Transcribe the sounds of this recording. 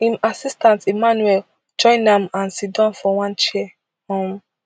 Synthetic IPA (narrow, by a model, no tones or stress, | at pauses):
ĩnasistãntimanuɛl | d͡ʒɔ̃ɪ̃nãmãnsitdãnfɔwãnt͡ʃiɛ | hɔ̃m